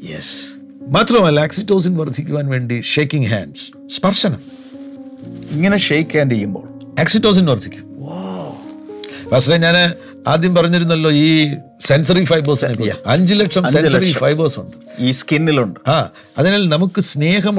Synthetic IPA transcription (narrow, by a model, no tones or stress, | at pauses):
jḛs | maːt̪rɐmɐleːksitːo̞ːs̬inʋɐrt̪ʰːikʲːuʋaːnʋe̞ːɳɖiʂeːkːiŋɦa̰ːɳɖs | spɐrʂɐnɐ̰m | iŋːɐneʃeːjkʲːaːnɾejːumbo̰ː | eːksiʈːoːs̬inʋɐrt̪ʰːikʲːuʋo | pɐʂʈeɲaːn | aːd̪jɐmpɐrɐɲːiɾunːɐlːo̞ːiː | sensɐrifɐjboːsnekːoɐɲd͡ʑileʈʂɐmseɐrifɐjboːsuɳɖɨiːskinːiluɳɖɨaː | ɐðenaːlnɐmukːɨsneːɦɐm